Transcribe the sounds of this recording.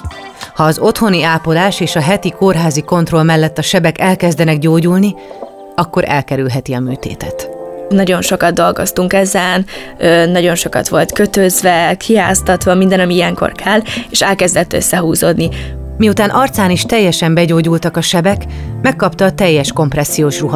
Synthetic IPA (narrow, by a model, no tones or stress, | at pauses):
hɒːzo̞t̪ho̞niaːpolaːʃeːʃɒɦɛt̪ikorɦaːziko̞n̪t̪ro̞lmɛlːɛt̪ːɒʃɛbɛkɛlkɛzd̪ɛnɛɡɟoːɟulni | ɒkːo̞ɾʔɛ̰lkɛɾylɦɛt̪iɒmyːt̪ḛːt̪ɛt̪nɒɟo̞nʃo̞kɒd̪̚d̪o̞lɡo̞̰st̪uŋkɛzɛn | øːnɒɟo̞nʃo̞kɒ̰t̪ʋo̞lt̪køt̪øzvɛkʰiɦa̰ːst̪ɒt̪ʋɒmind̪ɛnɒmiijɛŋko̞̰rkʰɛlːeːʃɛlkɛzd̪ɛt̪ːø̰sːɛɦuːzo̰ːd̪ni | miut̪aːnʔɒrt̪saːniʃt̪ɛjːɛʃɛmbɛɟoːɟult̪ɒkɒʃɛbɛk | mɛkːɒpt̪ɒːt̪ɛjːɛʃko̞mprɛsːijoːʃruɦɒ